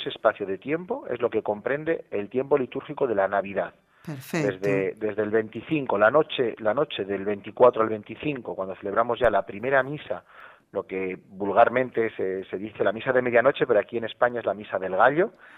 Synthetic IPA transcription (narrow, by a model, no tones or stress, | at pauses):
sespaθjoðe̞t̪je̞mpo̞e̞̰zlo̞ke̞ko̞mpɾẽ̞nd̪e̞ːlt̪je̞mpo̞lit̪uɾxiko̞ðe̞lanaβ̞iðað | d̪ezðed̪e̞zðelβe̞nt̪iθiŋko̞lano̞t͡ʃe̞lano̞t͡ʃe̞ðe̞lβe̞nt̪ikwat̪ɾoalβe̞nt̪iθiŋko̞kwand̪o̞θe̞le̞β̞ɾamo̞zʝalapɾime̞ɾamisa | lo̞ke̞bulɣaɾmẽ̞nt̪e̞sese̞ðiθe̞lamisaðeme̞ðjano̞t͡ʃe̞pe̞ɾoakie̞ne̞spaɲaezlamisaðe̞lɣ̞aʎo̞